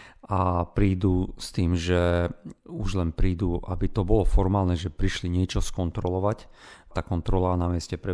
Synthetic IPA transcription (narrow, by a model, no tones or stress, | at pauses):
ʔapɾiːd̪ust̪iːmʒɛ | uʒlɛnpɾiːd̪uʔa̰bit̪ɔbɔlɔfɔɾmaːlnɛʒɛpɾiʃliɲɪɛt͡ʃɔskɔnt̪ɾɔlɔʋact̪akɔnt̪ɾɔlanamɪɛscɛpɾɛ